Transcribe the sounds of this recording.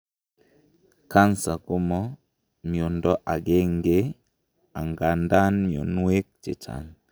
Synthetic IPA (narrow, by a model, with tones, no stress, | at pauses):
ka˦nsa˨kʊ˦mɔ˦ | mi˨o˨ndɔ˦ʔa˨ɡe˦ŋɡe˦ | a˨ŋɡa˨nda˦nmjo̰˨nwe˦k̚t͡ʃɪ˨t͡ʃa̰˨ŋ